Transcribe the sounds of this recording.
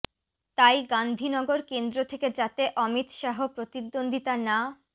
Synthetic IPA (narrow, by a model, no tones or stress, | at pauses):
t̪ajɡand̪ʱinɔɡoɾkend̪ɾot̪ʰeked͡ʑat̪eʔɔmit̪ʃaɦopɾot̪id̪ːond̪ʱit̪ana